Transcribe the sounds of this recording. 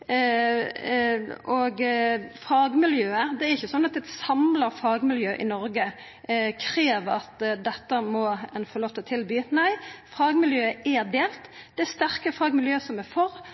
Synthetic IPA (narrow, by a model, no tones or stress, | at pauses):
ɔɡfɑːɡmɪljøːəd̪ɛæɾɪçːəsɔnːɑt̪ɛt̪sɑmləʁfɑːɡmɪljøːʔɪnɔɾɡə | kʰɾeːʋəɾɑt̪d̪ɛt̪ːəmɔɛnfɔɾloːft̪ʰət̪ʰɪlbyːnæɪfɑːɡmɪljøːəæd̪eːlt̪d̪̥ɛæst̪æʁkəfɑːɡmɪljøːəsɔmɛfɔɾ